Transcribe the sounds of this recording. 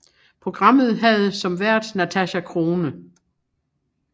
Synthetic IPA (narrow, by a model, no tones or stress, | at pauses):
pʰʁo̝ɡ̥ʁɑ̈m̰ð̞̩ˠɦæð̞ˠsɒ̽mʋæɐ̰d̥næt͡sʰæɕækʰʁo̝ːnə